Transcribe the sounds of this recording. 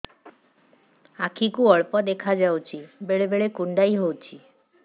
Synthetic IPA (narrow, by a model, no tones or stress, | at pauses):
akʰikuɔɭpɔd̪ekʰad͡ʒawt͡ʃʰibeɭebeɭekuɳɖajɦowt͡ʃʰi